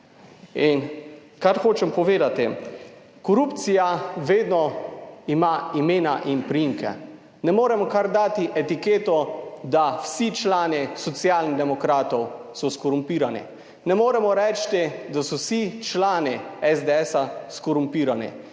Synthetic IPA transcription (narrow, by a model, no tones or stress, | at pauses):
in | kaɾxoːt͡ʃɛmpɔʋeːd̪at̪i | kɔɾuːpt̪sijaʋeːd̪nɔimaimeːnaʔinpɾiimkɛ̰ | nɛmoːɾɛmɔkaɾd̪aːt̪iʔɛt̪ikeːt̪ɔd̪awsit͡ʃlaːnisɔt̪sjaːlniɣd̪ɛmɔkɾaːt̪ɔw | sɔskɔɾumpiːɾanḭ | nɛmoːɾɛmɔɾɛːt͡ʃt̪id̪asɔwsit͡ʃlaːniɛzd̪eɛːsaskɔɾumpiːɾanḭ